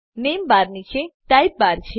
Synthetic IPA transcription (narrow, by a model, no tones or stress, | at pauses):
nembaɾnit͡ʃʰeʈajp̚baɾt͡ʃʰe